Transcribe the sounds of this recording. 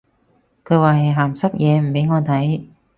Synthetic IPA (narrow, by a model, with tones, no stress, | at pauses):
kʰɵ˨˧ɥwaː˨ɐ˨˩jɦaː˨˩msɐ˥p̚jʔɛː˨˧m̩˨˩pe˨˥jŋɔː˨˧t̪ʰɐ˨˥j